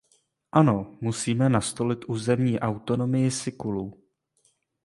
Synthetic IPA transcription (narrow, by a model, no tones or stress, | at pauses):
ʔano̞musiːmɛnast̪o̞lɪt̪ʔuːzɛmɲiːʔawt̪o̞no̞mɪjɪsɪkuluː